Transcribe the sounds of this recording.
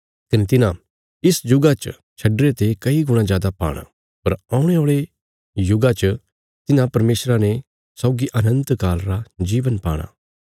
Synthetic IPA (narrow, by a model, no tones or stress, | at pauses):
t̪ɐnit̪ɪnã | ɪsd͡ʒʊɡat͡ʃ | t͡ʃʰɐɖɾet̪ekɐiɡʊɽ̃ãzjaːd̪apa̰ːɽ̃a̰ | pɐɾãːʊ̃ɽ̃eoːɭe | jʊɡat͡ʃə | t̪ɪnãpɐɾmeːsɾane | saːɡiʔɐnə̃nt̪kaːlɾad͡ʒiːʋənpa̰ːɽ̃a̰ː